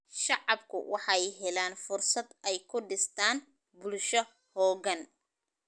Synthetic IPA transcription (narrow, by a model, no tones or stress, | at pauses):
ʃɑʕɑbkʰʊ̰wʔɑħɑjɦɛlaːnfʊrsɐd̪ɛjkʰʊɖɪst̪ʰaːn | bʊlʃɔ | hɔːɣɐn